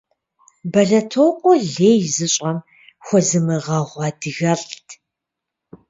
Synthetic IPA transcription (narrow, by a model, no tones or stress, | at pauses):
bɐɮɐtʰowqʷʼɔɮeːjzɨɕʼɐm | xʷɔzɨmɨʁɐʁʷɑːdɨɣɐɬʼtʰ